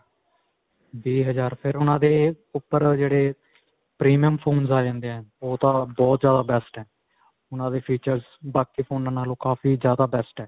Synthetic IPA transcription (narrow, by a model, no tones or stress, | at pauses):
biːɦəzaːɾpʰɪɾʊnãːd̪eː | ʊpːəɾd͡ʒeːɽeː | pɾiːmiəmpʰoːnzaːd͡ʒɛ̃ːnd̪eːɛ̃ːoːt̪ãːbɔːt̪zjaːd̪aːbɛːsʈɛː | ʊnãːd̪eːpʰiːt͡ʃəɾz | baːkiːpʰoːnːãːnːaːlõːkaːfʰiːzjaːd̪aːbɛːsʈɛː